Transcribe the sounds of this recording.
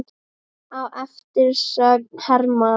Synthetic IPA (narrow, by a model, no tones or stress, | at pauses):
awʔɛft̪ɪɾ̥ssœːɣhɛɾma